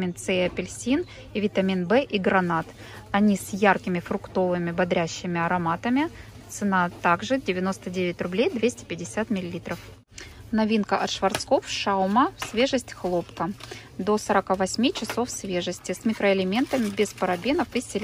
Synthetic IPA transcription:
int̪sɛɪɐpʲɪlʲsʲin | ivʲɪt̪ɐmʲinbɛʔiɡɾɐnat̪ | ɐnʲisjarkʲɪmʲɪfɾʊkt̪o̞vɨmʲɪbɐd̪ɾʲæɕːɪmʲɪɐɾɐmat̪əmʲɪt̪sɨnat̪aɡʐɨdʲɪvʲɪno̞st̪ədʲevʲɪtʲrʊblʲejd̪vʲesʲtʲɪ̥pʲɪdʲɪsʲat̪mʲɪlʲɪlʲit̪ɾəf | nɐvʲinkəʔɐt̪ʂvɐrt̪sko̞fʂaʊməsʲvʲe̞ʐɨsʲtʲxlˠo̞pkə | d̪o̞səɾɐkavɐsʲmʲit͡ɕɪso̞fsvʲe̞ʐəsʲtʲɪsmʲɪkɾəɪlʲɪmʲe̞nt̪əmʲɪbʲɪspəɾɐbʲenəfɨsʲɪlʲ

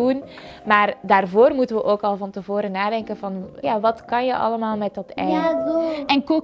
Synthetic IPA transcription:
unmaːrdaːrvoːrmutənʋəʔoːkɑlˠvɑntəvoːɾənaːdɛŋkənvɑnjaːʋɑtkɑnjəʔɑ̰ləmaːlˠmɛt̚dɑtɛ | ɛnku

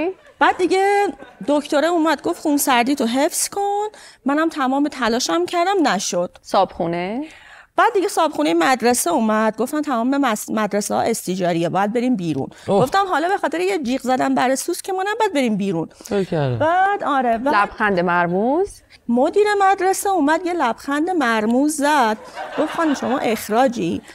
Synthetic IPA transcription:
b̥æːd̪̚ːiɟe̞d̪okʰt̪oɾeuːmæd̪̚ɡo̞ft̪χxunsæɾd̪iːt̪ʰoɦe̞fskʰonmænæmt̪ʰæmɒːmet̪ʰælɒːʃæmcʰæɾd̪æmnæʃod̪̥sɒːbxune | b̥æːd̪ːiɟe̞sɒːb̥xuːnejemæd̪ɾeseuːmæd̪̚ɡo̞ft̪æmt̪ʰæmɒːmemæd̪ɾesehɒ̰ʔe̞st̪id͡ʒɒːɾijebɒːjæd̪̚be̞ɾiːmbiːɾṵnɡo̞ft̪æmɦɒːlɒːbe̞xɒːt̪ʰe̞ɾejed͡ʒiːɣzæd̪ænbæɾesuskʲʰemɒːnæbɒjæd̪̚be̞ɾiːmbiːɾunobæd̪ɒːɾevælæb̥xænd̪emæɾmuz | mod̪iːɾe̞mæd̪ɾeseuːmæd̪jelæb̥xænd̪emæɾmuzːæd̪̥ɡ̥ofxɒːnimʃo̞mɒ̰ːʔe̞xɾɒːd͡ʒi

